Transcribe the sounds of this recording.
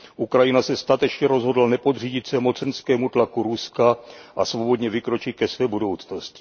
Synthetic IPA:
ʔukɾajɪnasɛst̪at̪ɛt͡ʃɲɛɾo̞zɦodlanɛpo̞d̪r̝iːɟɪt̪sɛmo̞t͡sɛnskɛːmut̪lakuɾuskaʔasvo̞bo̞d̪ɲɛvɪkɾo̞t͡ʃɪt̪̚kɛsvɛːbudo̞wt͡snoscɪ̥

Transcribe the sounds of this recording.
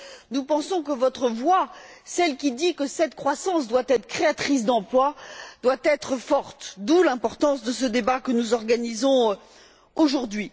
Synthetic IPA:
nupɑ̃sɔ̃k̬əvɔt̪χəvwasɛlkʲid̪ikəsɛt̪kχwasɑ̃sd̪wat̪ɛt̪χə̥kχeat̪χis̬d̪ɑ̃plwad̪̥wat̪ɛt̪χəfɔʁt̪d̪ulɛ̃pɔʁt̪ɑ̃sd̪əsəd̪ebakənuzɔʁɡanizɔ̃ | oʒuʁd̪ɥi

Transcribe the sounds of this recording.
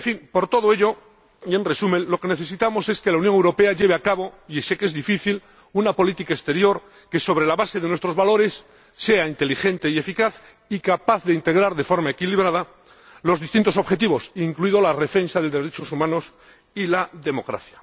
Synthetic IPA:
efiŋpo̞ɾt̪o̞ð̞oe̞ʎo̞ | ie̞nre̞sumẽ̞nlo̞ke̞ne̞θe̞s̬it̪amo̞se̞ske̞launjoŋewɾo̞pe̞aʝe̞β̞eakaβo̞iesekezðifiθil | unapo̞lit̪ikaest̪e̞ɾjo̞ɾ | ke̞so̞β̞ɾe̞laβase̞ðenwest̪ɾo̞zβalo̞ɾe̞sː | e̞aint̪e̞lixe̞nt̪e̞ie̞fikaθ | ikapaθðeint̪e̞ɣɾaɾðe̞fo̞ɾmae̞kiliβ̞ɾað̞a | lo̞zðist̪int̪oso̞βxe̞t̪̬iβo̞siŋkluiðolare̞fe̞nsaðe̞ld̪e̞ɾe̞t͡ʃo̞sumãno̞s | ilaðe̞mo̞kɾa̰θja

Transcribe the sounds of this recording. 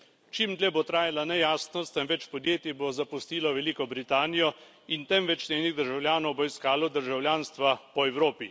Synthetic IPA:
t͡ʃimd̪lʲɛbot̪ɾaːjalanɛjaːsnɔst̪ɛmʋɛt͡ʃpɔd̪jeːt̪ibozapust̪iːlɔʋɛliːkɔbɾit̪aːnijɔ | int̪ɛmʋɛt͡ʃnʲeːniɣd̪əɾʒawlʲjaːnɔwboiskaːlɔd̪əɾʒawljaːnst̪ʋapɔɛwɾoːpi

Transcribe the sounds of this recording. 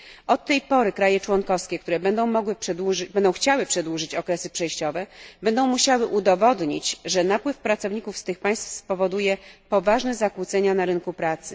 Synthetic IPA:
ʔɔt̪ːɛjpɔɾɘkɾajɛt͡ʂwɔŋkɔfskʲɛk̚t̪uɾɛbɛnd̪ɔ̃w̃mɔɡwɘʂɛd̪wubɛnd̪ɔw̃xt͡ɕawɘpʂɛd̪wuʐɘt͡ɕɔkɾɛsɘpʂɛjɕt͡ɕɔvɛbɛnd̪ɔ̃w̃muɕawɘʔud̪ɔvɔd̪ɲḭt͡ɕʐɛnapwɘfpɾat̪sɔvɲikufst̪ɘxpaj̃st̪fspɔvɔd̪ujɛpɔvaʐnɛzakwut̪sɛɲanaɾɘnkupɾat̪sɘ

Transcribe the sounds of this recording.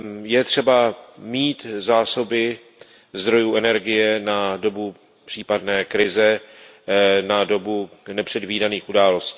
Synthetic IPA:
jɛt̪r̝̥ɛbamiːt̪zaːso̞bɪ | zd̪ɾo̞juːʔɛnɛɾɡɪjɛnado̞bu | pr̥iːpadnɛːkɾɪzɛ | nado̞bunɛpr̝̥ɛdviːdaniːxʔudaːlo̞sciː

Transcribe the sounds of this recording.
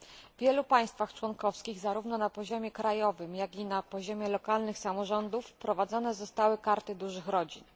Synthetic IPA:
vʲjɛlupaj̃st̪faxt͡ʂwɔnkɔfskʲiɣzaɾuvnɔnapɔʑɔmʲjɛkɾajɔvɘmjaɡʲinapɔʑɔmʲjɛlɔkalnɘxsamɔʐɔnd̪ufpɾɔvad̪zɔnɛzɔst̪awɘkaɾt̪ɘd̪uʐɘxɾɔd͡ʑin

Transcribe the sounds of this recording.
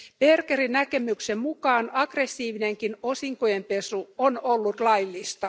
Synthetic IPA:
perkerinækemyksemmukɑːnɑɡ̥resːiːʋineŋkinosiŋkojempesuonolːut̪lɑilːist̪ɑ

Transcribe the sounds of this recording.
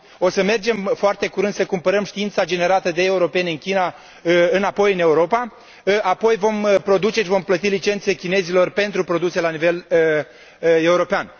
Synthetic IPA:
o̞səme̞rd͡ʒe̞mfoart̪e̞kuɾɨnd̪səkumpəɾəmʃt̪iint̪sad͡ʒe̞ne̞ɾat̪əd̪e̞ːuɾo̞pe̞neɨnkʲina | ɨnapo̞jɨne̞uɾo̞pa | apo̞jvo̞mpɾo̞d̪ut͡ʃe̞ʃivo̞mplət̪ilit͡ʃe̞nt̪se̞kʲine̞zilo̞rpe̞nt̪ɾupɾo̞d̪use̞lanive̞l | e̞uɾo̞pean

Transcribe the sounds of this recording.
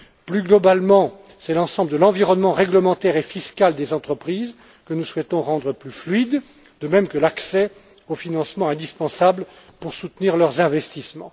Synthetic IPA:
plyɡlɔbalmɑ̃ | sɛlɑ̃sɑ̃bləd̪əlɑ̃viʁɔnmɑ̃ʁɛɡləmɑ̃t̪ɛʁefiskald̪ezɑ̃t̪χəpχiz | kənuswɛt̪ɔ̃ʁɑ̃d̪ʁəplyflɥid̪ | d̪əmɛmkəlaksɛ | ofinɑ̃smɑ̃ɛ̃d̪ispɑ̃sabl | puʁsut̪niʁlœʁzɛ̃vɛst̪ismɑ̃

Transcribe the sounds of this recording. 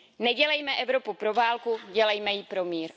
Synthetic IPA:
nɛɟɛlɛjmɛʔɛvɾo̞pupɾo̞vaːlkuɟɛlɛjmɛjɪpɾo̞miːɾ

